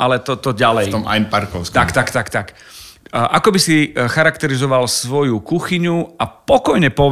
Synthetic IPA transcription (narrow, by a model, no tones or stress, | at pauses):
ʔalɛt̪ɔt̪ɔɟalɛj̪ɔma̰jnpaɾkɔʊskt̪akt̪akt̪akt̪ak | ʔakɔbisixaɾakt̪ɛɾizɔʋalsʋɔjukuxiɲuapɔkɔjɲɛpɔʋ